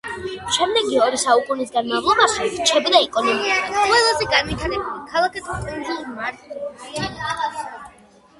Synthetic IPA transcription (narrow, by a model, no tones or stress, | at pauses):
ʃɛmd̪ɛɡiɔɾisaukʼunisɡanmavlˠɔbaʃɛɾt͡ʃʰɛbid̪aɛkʼɔnɔmiiqʼwɛlˠazɛɡanwit̪ʰaɾɛbulikʰalˠakʰɛsʰɛʒumaɾt̪